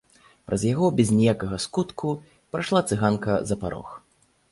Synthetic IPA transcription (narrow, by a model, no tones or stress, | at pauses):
pɾʔɐzʲjaɣɔbʲɛzʲnʲɛjakɐɣɐskut̪kʰu | pɾaʂlˠat̪sɨɣankɐzɐpaɾɔ̰x